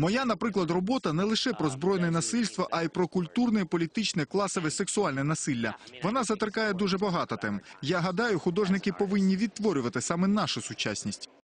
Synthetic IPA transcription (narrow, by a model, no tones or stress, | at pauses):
mɔjanɐpɾɪklˠɐd̪rɔbɔt̪ɐnɛlˠɪʃɛpɾɔzbɾɔjnɛɛnɐsɪlʲst̪ʋɐʔɐipɾɔkʊlʲt̪urnɛpɔlʲit̪ɪt͡ʃnɛklˠɑsɔʋɛseksʊɑlʲnɛnɐsɪlʲːɐʋɔnɑzɐt̪ɾkɑjɛd̪uʒɛbɐɦɑt̪ɔt̪ɛmjaɦɐd̪ɑjʊxʊd̪ɔʒnɪkɪpɔʋɪnʲːiʋʲid̪̚t̪ʋɔɾʲʊʋɐt̪ɪsɑmɛnɑʃʊsʊt͡ʃa̰sʲnʲisʲtʲ